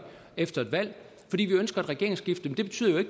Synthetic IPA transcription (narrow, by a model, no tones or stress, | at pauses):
efd̥ɐe̝d̥ʋæl̰ | fɒdḭːʋiønsɡ̥ɐæd̥ʁɛɡ̥e̝ɐeŋsɡ̥ifd̥əmend̥e̝be̝t͡sʰy̰ð̰ˠjoe̝ɡ̥